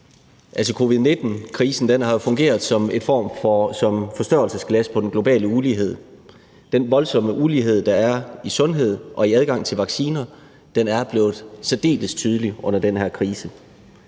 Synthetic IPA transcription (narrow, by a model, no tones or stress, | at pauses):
ʔæls̬ɒ̽kʰo̝ːʋiðˠne̝d̥n̩kʰʁiːsn̩d̥enhɑ̈jo̝fɔ̽ŋɡ̥e̝̰ːɐð̩ˠsɒ̽me̝d̥fɒ̰ːmfɒsɒ̽mfɒ̽sd̥ɶɐl̩səsɡ̥læspʰɒ̽d̥enɡ̥lo̝b̥ɛ̰ːləuliːɦe̝ð̞̰ˠ | d̥enʋɒ̽lsɒ̽məʔuliːɦe̝ð̞̰ˠd̥ɑ̈æɐisɔ̽nɦe̝ð̞̰ˠʔɒ̽iæð̞ˠɡ̥ɑ̈ŋ̰t͡sʰe̝lʋɑ̈ɡ̥siːnɐ | d̥enæɐb̥le̝ːð̞̩ˠsɛd̥e̝̰ːləst͡sʰyːð̞ˠəliʔɔ̽n̰ɐd̥enhæɐ̰kʰʁiːsə